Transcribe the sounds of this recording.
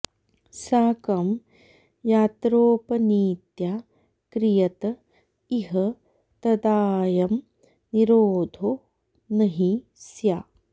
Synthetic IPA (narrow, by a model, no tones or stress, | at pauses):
saːkɐm | jaːt̪ɾoːpɐniːt̪jaː | kɾijɐt̪ɐ | iɦɐ | t̪ɐd̪aːjɐm | niɾoːd̪ʱoː | nɐɦi | sjaː